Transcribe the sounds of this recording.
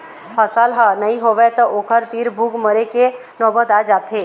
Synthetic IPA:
pʰəsalɦənəɦĩɦoʋɛt̪ɔʔokʰəɾt̪iːɾbʱuɡməɾeke | nɔːbət̪ad͡ʒaːt̪ɦe

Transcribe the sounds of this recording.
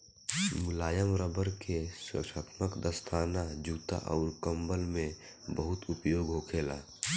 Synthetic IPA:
mʊlaːjəmɾəbəɾkʰesə̰kʃət̪məkd̪əst̪ʰaːnad͡ʒuːt̪a̰ʔɔ̰ːɾkə̃mbəlmẽ | bəɦʊt̪ʊpjoːɡɦokʰeːla̰ː

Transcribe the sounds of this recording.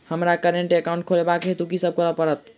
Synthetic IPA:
həmɾakəɾeɳʈekaw̃ɳʈ̚kʰolebakɦet̪ukisəb̚kəɾəpəɾət̪̚

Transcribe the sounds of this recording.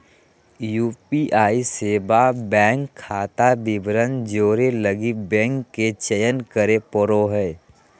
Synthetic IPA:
juːpiʔaːiseːbabɛ̃ːŋkʰːaːt̪abɪbɾənd͡ʒoːɾeləɡibɛ̃ːŋkːet͡ʃəjənkəɾepɔɾoɦɛː

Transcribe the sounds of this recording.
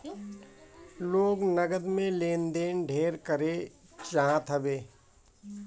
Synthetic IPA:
loːɡnəɡəd̪mẽleːnd̪eːnɖʱeːɾkəɾet͡ʃaɦãt̪ʰɐbeː

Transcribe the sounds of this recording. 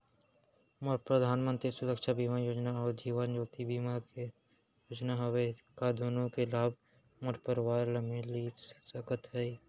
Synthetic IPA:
məpɾəd̪ʱaːnmə̃nt̪ɾisʊɾəkʃabiːmajoːd͡ʒnaɔːɾd͡ʒiːʋənd͡ʒoːt̪ibiːmake | joːd͡ʒnaɦɐwekad̪ʱunõkelaːb̚ʱ | mʊʈʰpəɾwaːɾləmeliːsəkət̪ɦɛi

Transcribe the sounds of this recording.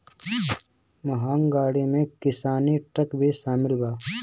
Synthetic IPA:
mɐɦaːŋɡaːɽimẽkɪsaːniʈɐkbʱiʃaːmɪlbaː

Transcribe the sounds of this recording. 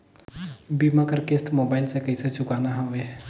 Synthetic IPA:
bimakəɾkesʈmobaɪlsẽkəjset͡ʃʰukanaɦoe

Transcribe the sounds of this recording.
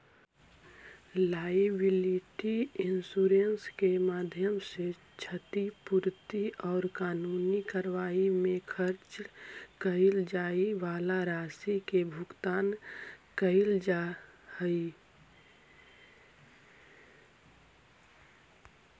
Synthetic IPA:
laːibɪliʈiɪnsuɾenskemaːd̪ʱjəmse | t͡ʃʰət̪ipuɾt̪iɔːɾkaːnuːnikəɾʋaːimẽkʰəɾt͡ʃkəɪld͡ʒaːiʋaːlaɾaːsikebʱʊɡt̪aːnkəɪld͡ʒahəi

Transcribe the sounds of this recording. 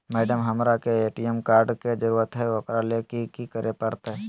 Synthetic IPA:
mɛːɖəmɦɐmɾakeeːʈijəmkaːɾɖked͡ʒəɾuːɾət̪ɦɛʋɐkɾalekikikəɾʔepɐɽt̪aɦɛ

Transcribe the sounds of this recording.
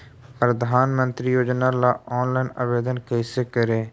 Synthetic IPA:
pɾəd̪ʱaːnmə̃nt̪ɾiːjoːd͡ʒnaːlaːɔːnlaːinəʋeːd̪ənkəjsekəɾeː

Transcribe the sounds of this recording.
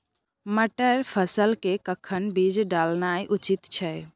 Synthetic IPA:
məʈəɾpʰəsəlkekəkʰənbid͡ʒɖalnajʔut͡ʃit̪t͡ʃʰɛ

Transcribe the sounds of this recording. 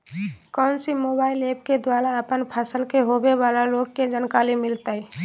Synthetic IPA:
kɔʊnsimobaːilep̚ked̪waːɾaəpənpʰəsəlkeɦobebalaloɡked͡ʒənkalimɪlt̪əi

